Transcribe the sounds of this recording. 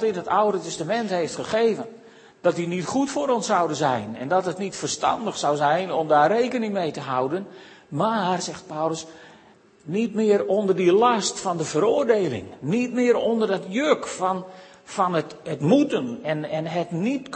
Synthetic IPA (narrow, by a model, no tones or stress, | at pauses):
tinətawdətɛstamɛnthejftχəχejvən | d̥ɔt̚dinitχutfʊːɾɔnsawdənzɛjnɛ̰ndɔtətnitfərstɑ̰ndəxsawzɛjnɔmdaːrejkənɪŋmejtəɦawdənmaːrzɛxt̚pawləs | nitmɪːɾondərdilɑstfɑndəvəɾʊərdeːlɪ̰ŋnitmɪəɾɔndərdɔtjøkfn | fɑnətətmutənɛnɛnɦətnitk